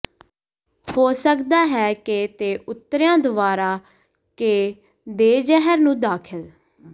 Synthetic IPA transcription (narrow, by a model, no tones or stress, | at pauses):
hoːsəkd̪aːɦɛːket̪eːʔʊt̪ːəɾjãːd̪əʋaːɾaː | keː | d̪eːd͡ʒɛɦəɾnũːd̪aːkʰəl